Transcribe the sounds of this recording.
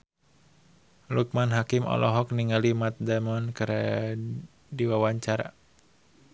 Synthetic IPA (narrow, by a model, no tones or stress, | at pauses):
luk̚manɦakimɔ̰lʔɔɦɔkniŋalimat̪̚damɔnkɨɾ | diwawaɲt͡ʃaɾa̰